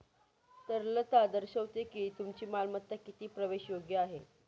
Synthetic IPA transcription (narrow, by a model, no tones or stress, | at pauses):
t̪əɾlət̪ad̪əɾɕəʋt̪ekiːt̪umt͡ɕiːmalmət̪ːakit̪iːpɾəʋeɕjoɡjəaɦe